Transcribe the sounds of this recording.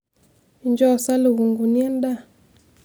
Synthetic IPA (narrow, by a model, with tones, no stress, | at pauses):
ɲd͡ʒɔ˦˨sa˦lɪ˨ɣu˨ŋɡu˨ni˦ɛ˦nda˦˨